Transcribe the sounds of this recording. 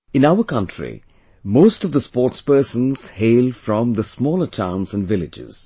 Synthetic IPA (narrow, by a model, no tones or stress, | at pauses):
ɪ̃naʊəkʌ̃ntʰɹḭ | moːstʌvd̪əspɔːʈspəːsə̃nz̥heɪlfɾɔ̃mðəsmɔːlətʰã̰ʊ̃nzə̃nʋɪlɪd͡ʒɪ̰z̥